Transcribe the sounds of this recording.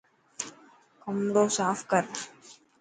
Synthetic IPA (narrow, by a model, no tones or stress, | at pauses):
kɐmɖoːsaːfkɐɾ